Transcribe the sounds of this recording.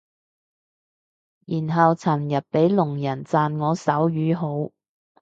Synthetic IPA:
jiː˨˩nɦɐ˨wt͡sʰɐ˨˩mjɐ˨t̚pe˨˥jlʊ˨˩ŋjɐ˨˩nt͡saː˨˧nŋɔː˨˧sɐ˨˥wjyː˨˧˥ɦo˨˥w

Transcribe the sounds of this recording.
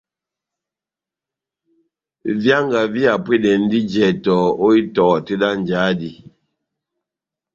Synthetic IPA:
vja˦ŋɡa˨vi˦a˨pwe˦dɛ˨n̩˦di˦d͡ʒɛ˨tɔ˨o˦i˦tɔ˨te˦da˦n˨d͡ʒaː˨˦di˦

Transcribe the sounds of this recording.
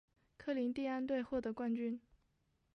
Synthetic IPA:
kʰɤ˥˩li˧˥ŋt̪i˥˧a˥nt̪̬we˥˧ɪxwɔ˥˩t̪ɤ˧˥kwa˥˧nt͡ɕy˥˩n

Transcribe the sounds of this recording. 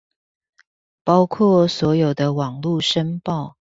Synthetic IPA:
pɑ˥ʊkʰwɔ˥˨swɔ˨˥jo˨˩ʊd̪ə˦wɑ˨˩ŋlu˥˨ʂə˦npɑ˥˨ʊ

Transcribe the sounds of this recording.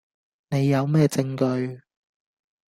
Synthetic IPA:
ne˨˧jːɐ˨˧wmɛː˥t͡sɪ˧ŋkɵ˧ɥ

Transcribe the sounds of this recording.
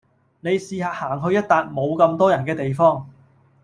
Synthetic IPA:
ne˨˧jsiː˨˧ɦaː˨˧haː˨˩ŋɦɵ˧ɥjɐ˥t̚t̪aː˧t̚mo˨˧wkɐ˧mt̪ɔː˥jɐ˨˩nkɛː˧t̪e˨jfɔː˥ŋ

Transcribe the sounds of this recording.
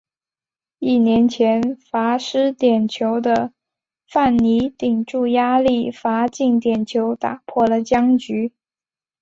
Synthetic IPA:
i˥˩njɛ˧˥nt͡ɕʰjɛ˧˥nfa˧˥ʂɻ̩˥t̪jɛ˨˩nt͡ɕʰjo˧˥ʊd̪ə˧ | fa˥˩nni˧˥t̪i˨˩ŋʈ͡ʂu˥˩ja˥li˥˩fa˧˥t͡ɕi˥˩ŋt̪jɛ˨˩nt͡ɕʰjo˧˥ʊt̪a̰˨˩pʰwɔ˥˩lə˩t͡ɕjɑ˥ŋt͡ɕy˧˥

